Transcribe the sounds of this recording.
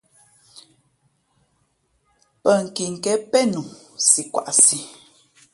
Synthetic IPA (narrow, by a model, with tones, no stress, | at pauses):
pə˦˨ŋ̩˨ki˨ŋ̩˨kɛ˦pɛ˦nu˨si˨kwa̰˨ʔsi˨